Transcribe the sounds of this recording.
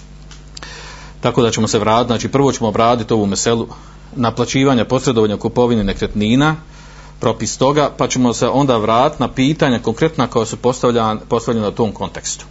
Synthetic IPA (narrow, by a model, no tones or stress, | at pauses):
t̪akod̪at͡ɕe̞mo̞se̞ʋɾaːt̪it̪zaːt͡ʃiːpr̩ʋo̞t͡ɕe̞moːbɾaːd̪it̪o̞ʋuːmese̞lˠu | naplˠat͡ɕiːʋaːɲapo̞sɾed̪oʋaɲokupo̞ʋinine̞kɾet̪niːna | pɾo̞pist̪o̞ɡaːpat͡ɕe̞mo̞se̞ʔo̞nd̪aːʋɾaːt̪i̥t̪napiːt̪aːɲako̞ŋkɾe̞t̪nako̞jasuppo̞st̪alʎenaut̪o̞ːmkʰo̞nt̪e̞kst̪u̥